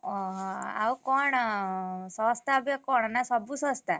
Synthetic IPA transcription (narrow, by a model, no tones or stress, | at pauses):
ɔɦa̰wkɔɳ | sɔ̃st̪abjɔkɔɳnasɔbʱusɔ̃st̪ʰa